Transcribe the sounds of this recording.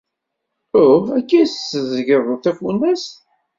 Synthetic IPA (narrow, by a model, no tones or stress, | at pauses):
ʊækːisəzəʝərˤːoθæfunæs